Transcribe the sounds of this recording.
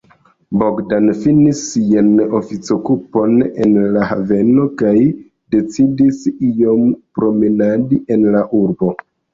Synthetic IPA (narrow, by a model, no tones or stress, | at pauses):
boɡdanfinisːiano̞fit͡sokupo̞ne̞̰nlaha̰ve̞no̞kaj | de̞t͡sidisio̞mpɾo̞menadiʔe̞nlaʔuɾbo̞